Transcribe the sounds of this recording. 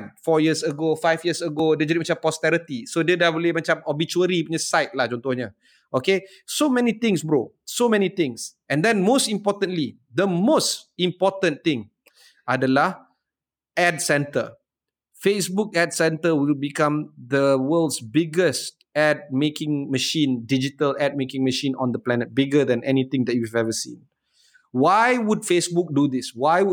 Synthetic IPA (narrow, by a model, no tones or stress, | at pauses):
nfɔjiəsəɡofajfjəsəɡodeəd͡ʒadimat͡ʃãmpɔst̪ɛɾit̪isodədabolemat͡ʃãmɔbit͡ʃuəɾipuɲəsaɪt̚lahd͡ʒɔ̃nt̪ɔhɲə | ʔoke | somɛnit̪ĩŋsbɹok̚somɛ̃nit̪ɪ̃ŋs | ɛ̃ndɛ̃nmostĩmpɔt̪ə̃nli | d̪əmosĩmpɔtə̃nt̪ɪ̃ŋ | ʔadəlah | ɛdsɛ̃ntə | fesbuk̚ɛdsɛ̃ntəwilbikãmd̪əwəldsbɪɡəs | ɛd̚mekɪ̃ŋməʃĩndid͡ʒitəlɛd̚mekɪ̃ŋməʃĩnɔ̰̃nd̪əplɛnət̚bɪɡəd̪ɛ̃nʔɛnit̪ɪ̃ŋd̪ɛt̚juɛvɛvəsḭ̃n | wajwudfesbuk̚dud̪iswaj